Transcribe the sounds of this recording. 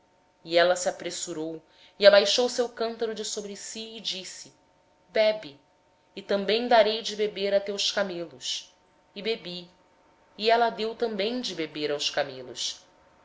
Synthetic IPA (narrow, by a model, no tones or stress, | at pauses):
iɛlɐsiapɾesuɾow | iabajʃowsewkɐ̃nt̪aɾud͡ʒɪsobɾɪsiɪd͡ʒisɪ | bɛbiː | t̪ɐ̃mbẽj̃d̪aɾejd͡ʒɪbebeɾat̪ɛʊʃkamelʊs | ɪbebiː | ɛlɐd̪ewt̪ɐ̃mbẽj̃d͡ʒɪbebeɾawʃkamelṵʃ